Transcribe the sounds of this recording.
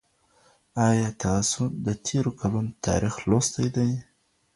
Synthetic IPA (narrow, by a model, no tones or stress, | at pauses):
ɑjɑt̪ɑsʊd̪ət̪ʰeɾokʰalunot̪ʰɑ̰ɾixlost̪ajd̪aj